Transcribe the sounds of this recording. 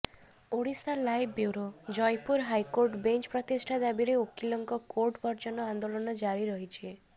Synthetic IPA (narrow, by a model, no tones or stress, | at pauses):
oɽisalajbbjuɾod͡ʒɔjpuɾɦajkoɾʈbent͡ʃpɾɔt̪isʈʰad̪abiɾeokilɔŋkɔkoɾʈbɔɾt͡ʃɔnɔand̪olɔnɔd͡ʒaɾiɾɔɦit͡ʃʰie